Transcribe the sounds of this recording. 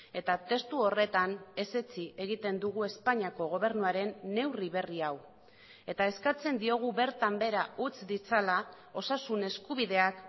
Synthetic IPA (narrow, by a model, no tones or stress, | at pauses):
e̞t̪at̪e̞st̪uo̞re̞t̪ane̞se̞t͡sie̞ɣ̞it̪e̞nd̪uɣ̞ue̞spaɲiako̞ɣ̞o̞β̞e̞ɾnuaɾe̞nːe̞wriβ̞e̞riaw | e̞t̪ae̞skat͡se̞nd̪io̞ɣ̞uβe̞ɾt̪ambe̞ɾaut͡sd̪it͡sala | o̞sasune̞skuβiðe̞ak